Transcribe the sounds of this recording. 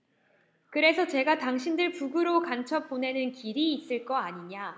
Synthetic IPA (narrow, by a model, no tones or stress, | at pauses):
kɯɾe̞sʰʌt͡ɕe̞ɡataŋɕʰindɯɭpuɡɯɾokant͡ɕʰʌp͈one̞nɯnkiɾiːs͈ɯɭk͈ʌaɲiɲa